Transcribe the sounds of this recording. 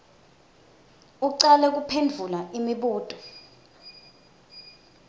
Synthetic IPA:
uǀalɛk̬upʰendʱulaʔimiɓuːtʼɔ

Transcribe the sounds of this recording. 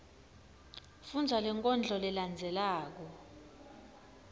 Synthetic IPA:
fund͡zʱalɛŋkʼɔnd͡ɮʱɔlɛland͡zʱɛlaːk̬ɔ

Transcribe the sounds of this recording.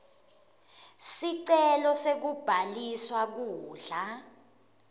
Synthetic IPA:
siǀɛlɔsek̬ub̥ʱaliswak̬uːɮa

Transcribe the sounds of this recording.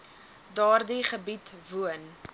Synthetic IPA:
dɑːrdiχəbitvuən

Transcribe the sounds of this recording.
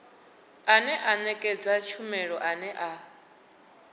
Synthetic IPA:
anɛʔanɛkʼɛd͡zat͡ʃʰumɛɺɔʔanɛʔa

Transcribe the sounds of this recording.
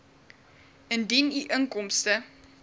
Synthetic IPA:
əndiniʔəŋkɔmstə

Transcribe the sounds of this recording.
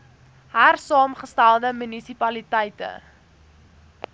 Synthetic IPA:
ɦærsɑːmχəstælˠdəmynisipɐlitɛjtə̰

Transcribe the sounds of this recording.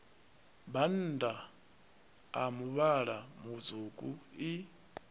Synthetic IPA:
ban̩ːda | a̰muβaɺamud͡zukʼui

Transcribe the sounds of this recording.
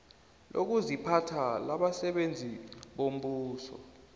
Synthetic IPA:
lʔo̰k̬uzipʰatʰalaɓasɛɓend͡zʱiɓom̩ɓuːsɔ̰

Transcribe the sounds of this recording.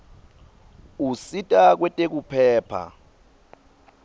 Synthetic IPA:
usitʼak̬wɛtʼek̬upʰɛːpʰa̰

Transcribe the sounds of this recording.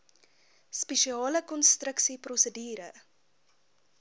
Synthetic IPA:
speʃiɑːləkɔnstrəksiprɔsədiːɾə

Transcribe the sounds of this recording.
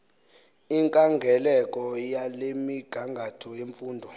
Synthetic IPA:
iŋkʼaŋɡʱɛlɛkʼɔjalemiɡ̥ʱaŋɡʱatʰɔjeɱfuːndʱɔ

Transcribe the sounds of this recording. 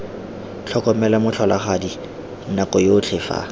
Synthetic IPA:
t͡ɬʰɔkʼɔmɛlamʊt͡ɬʰɔlaχadi | nakɔjoːt͡ɬʰɪfa̰

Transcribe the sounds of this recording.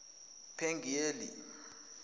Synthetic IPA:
pʰɛŋɡʱeːlḭ

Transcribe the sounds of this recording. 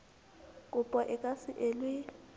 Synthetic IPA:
kʼupʼɔʔɛkʼasiʔelwi

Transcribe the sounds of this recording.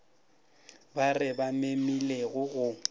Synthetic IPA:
barɪbamemileɣʊɣʊ

